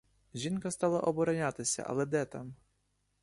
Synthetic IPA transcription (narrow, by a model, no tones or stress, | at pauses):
ʒʲinkɐst̪ɑlˠɐʔɔbɔɾɐnʲɑt̪ɪsʲɐ̰ʔɐ̰lˠɛd̪ɛt̪ɑm